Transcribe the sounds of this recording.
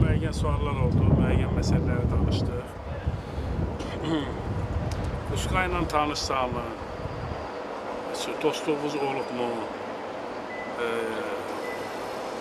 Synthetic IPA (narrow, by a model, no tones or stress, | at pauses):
mæjɟænsuɑlˠːɑɾo̞lˠd̪umæjɟænmæsælːæɾit̪ʰɑnɯʃt̪ɯ | uskajnant̪ʰɑnɯʃsɑːmɯ | sd̪̥ʰost̪uvuzolˠupmu